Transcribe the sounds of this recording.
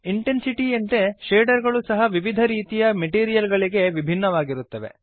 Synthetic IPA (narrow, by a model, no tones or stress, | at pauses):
iɳʈensiʈiɐnt̪e̞ʃeːɖɐɾɡɐɭusɐɦɐʋiʋid̪ʱɐɾiːt̪ijɐmeʈiːɾijɐlɡɐɭiɡe̞ʋibʱinːɐʋaːɡiɾut̪ːɐʋe̞̰